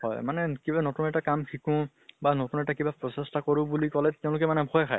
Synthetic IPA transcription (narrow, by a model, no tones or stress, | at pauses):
hɔ̰jmanɛkibanɔtunɛtakamkʰikʊ̃ | banɔtunɛtakibapɹɔsestakɔɹʊbulikɔlɛtɛʊ̃lʊkɛmanɛbʱɔjakʰa̰j